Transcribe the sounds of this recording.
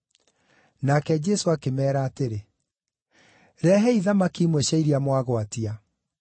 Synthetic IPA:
nakɛd͡ʒɛsoakemɛːɾaːteɾe | ɾɛɦɛiðamakimwɛɕaiɾiamwaɣoatia

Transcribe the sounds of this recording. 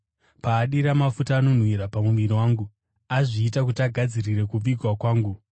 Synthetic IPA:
paːɗiɾamafutaːno̞n̤wiɾapamuʋiriwaːŋɡu | aʐiːtak̬utaɡʱad͡zirire̞kub͡viɡʱwakwaːŋɡu

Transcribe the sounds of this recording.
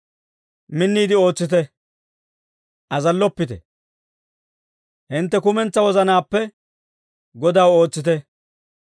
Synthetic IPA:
mɪnːiːd̪ɪo̞ːt͡sːɪt̪ɛ | ʔɐzɐlːɔpːɪt̪ɛ̰ | hɪnt̪ːɛkʊmɛnt͡sːɐwɔzɐnaːpːɛ | ɡɔd̪aːwo̞ːt͡sːɪt̪ɛ

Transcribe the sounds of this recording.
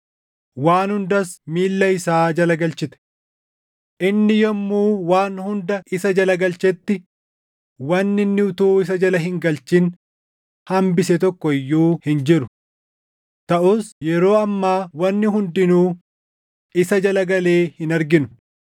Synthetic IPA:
waːnhʊnd̪ɐsmiːlːɐɪsaːd͡ʒɐlɐɡɐlt͡ʃɪt̪ɛ̥ | ʔɪnːɪjɔmːuːwaːnhʊnd̪ɐʔɪsɐd͡ʒɐlɐɡɐlt͡ʃɛt̪ːɪ | wɐnːɪnːɪʊt̪uːɪs̬ɐd͡ʒɐlɐɦɪŋɡɐlt͡ʃɪn | hɐmbɪsɛt̪ɔkːɔɪjːuːhɪnd͡ʒɪɾʊ | t̪ɐʔuːsjɛɾo̞ːɐmːaːwɐnːɪɦʊnd̪ɪnuː | ɪsɐd͡ʒɐlɐɡɐle̞ːhɪnɐɾɡɪnʊ̥

